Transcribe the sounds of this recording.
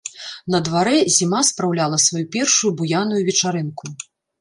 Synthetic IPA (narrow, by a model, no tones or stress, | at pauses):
nɐd̪vaɾɛzʲimaspɾawlʲalˠɐsvajupʲɛrʂujubujanujuvʲɛt͡ʂaɾɨnku